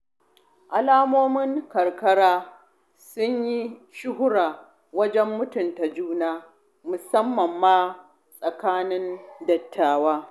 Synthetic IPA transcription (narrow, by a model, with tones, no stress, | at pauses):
ʔa˨laː˦moː˦mɪ˦ŋkɐ˨rkɐ˦ɽaː˦ | sʊ˦ɲji˦ʃʊ˦ɦʊ˦ɽaː˨ | wɐ˦d͡ʒɛ˦mːʊ˦tʊ˨nta˨d͡ʒuː˦naː˦ | mʊ˨sɐ˦mːɐ˨mːaː˦ | sʼɐ˨kaː˦nɪ˦ndɐ˨tʰːaː˨waː˦